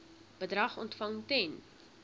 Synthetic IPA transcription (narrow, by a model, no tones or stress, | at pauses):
bədrɐχɔ̰ntfɐŋtɛn